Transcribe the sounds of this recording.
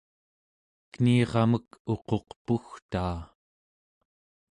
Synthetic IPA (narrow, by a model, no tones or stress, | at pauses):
kniːʁɑməko̞qo̞qpuxt̪aː